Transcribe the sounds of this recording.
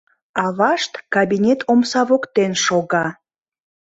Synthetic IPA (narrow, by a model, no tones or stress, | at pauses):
ɑβɑʃt̪kabinʲet̪ʰomsɑβokt̪enʃoɣɑ